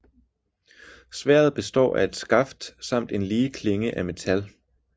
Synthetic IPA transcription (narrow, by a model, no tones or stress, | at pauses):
sʋæɐ̰ð̞̩ˠb̥e̝sd̥ɒ̰ːæe̝d̥sɡ̥ɑ̈fd̥sɑ̈m̰d̥e̝nliːkʰle̝ŋəʔæme̝t͡sʰæl